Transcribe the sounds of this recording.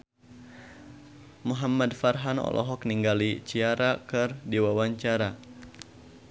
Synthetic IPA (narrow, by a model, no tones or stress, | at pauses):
muɦamadfarɦanɔ̰lʔɔ̰ɦɔkniŋɡalit͡ʃiaɾakɨrdiwawaɲt͡ʃaɾa